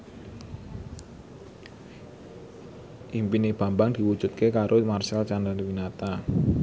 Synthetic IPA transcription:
ʔimpineb̥a̤mbaŋd̪̥i̤wud̥ʒ̥ṳt̪̚kekaɾʔomarsalt͡ʃandənwinat̪a

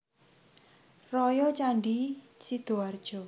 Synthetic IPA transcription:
rɔjɔt͡ʃaɳɖit͡ʃid̪̥oard̥ʒ̥ɔ̤

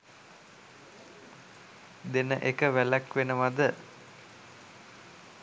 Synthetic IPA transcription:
d̪enəʔekəʋælækʋenəʋad̪ə

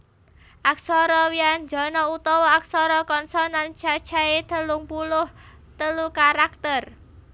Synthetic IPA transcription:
ʔak̚sɔɾɔwiand͡ʒɔ̤nɔut̪ɔwɔak̚sɔɾɔkɔnsɔnant͡ʃḁt͡ʃaet̪əluŋpulʊh | t̪əlukaɾak̚t̪ər

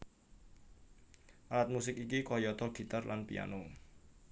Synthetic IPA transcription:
ʔalat̪̚musɪkikikɔjɔt̪ɔɡ̥i̤t̪arlanpija̰no

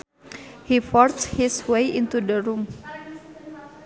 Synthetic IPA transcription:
hifɔrthiswejʔint̪udəɾum

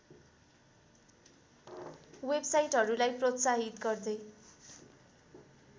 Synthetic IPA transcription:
websajʈɦʌɾulajprot̪saɦit̪ɡʌrd̪ʌj

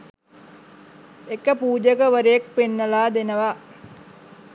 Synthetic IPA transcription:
ekəpuːd͡ʒəkəʋəɾejek̚penːəlaːd̪enəʋa

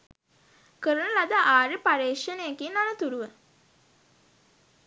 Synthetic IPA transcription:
kəɾənəlad̪aʔaːɾipaɾeːʂənejekiːnanət̪uɾuʋə

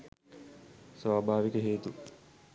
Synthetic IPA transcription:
saːbʱaːʋikəɦeːt̪u

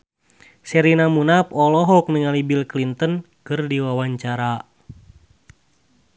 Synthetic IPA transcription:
sɛɾinamunap̚ɔlɔɦɔk̚nɨŋalibilklint̪ən | kɨrdiwawaɲt͡ʃaɾa

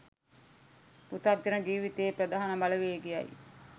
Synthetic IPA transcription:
put̪ak̚d͡ʒənəd͡ʒiːʋit̪eːpɾɐd̪aːɦanəmaləʋeːɡija̰j̰

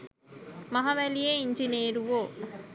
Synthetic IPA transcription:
mɐɦɐʋælijeiɲd͡ʒineːɾuʋoː

